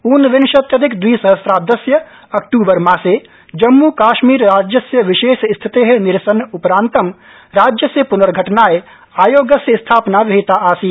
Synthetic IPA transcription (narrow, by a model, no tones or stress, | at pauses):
uːnʋɪnʃɐt̪jəd̪ɪkd̪wiːsəɦəsɾaːd̪ɐsjə | ɐk̚ʈuːbəɾmãːse | d͡ʒɐmːukaːʃmiːɾɾaːd͡ʒjəsjəʋɪʃeːʃst̪ʰɪt̪eɦɛ̃nɪɾsənʊpɾãːnt̪əm | ɾaːd͡ʒjəsepʊnəɾɡʱɐʈnaːe | aːjoːɡəsjəst̪ʰaːpnaʋɪɦɪt̪aʔaːsiː